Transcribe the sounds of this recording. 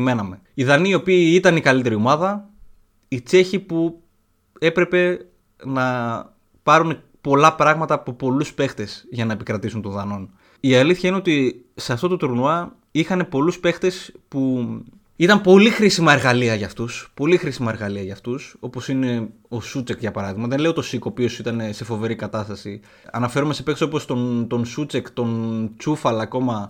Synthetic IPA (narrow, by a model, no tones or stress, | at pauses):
me̞nɐme̞ | iðɐniːo̞piːit̪ɐnikɐlit̪e̞ɾio̞mɐðɐ | it͡se̞çipu | e̞pɾe̞pe̞ | nɐ | pɐɾune | po̞lɐpɾɐɣmɐt̪ɐːpopo̞luspe̞xt̪e̞sʝɐnɐe̞pikɾɐt̪isunt̪o̞nðɐno̞n | iɐliθçɐineo̞t̪i | se̞ɐft̪o̞t̪ot̪uɾunuɐ | ixɐne̞po̞luspe̞xt̪e̞spu | it̪ɐmpo̞lixɾisimɐe̞ɾɣɐliɐʝɐft̪uspo̞lixɾisimɐeɾɣɐliɐʝɐft̪uso̞po̞sine̞ | o̞sut͡sekʝɐpɐɾɐðiɣmɐðe̞nle̞ot̪o̞sikopio̞sit̪ɐnese̞fo̞ve̞ɾikɐt̪ɐst̪ɐsi | ɐ̰nɐfe̞ɾomese̞pekseo̞post̪ont̪o̞nsut͡se̞kt̪o̞nt͡sufɐlɐko̞mɐ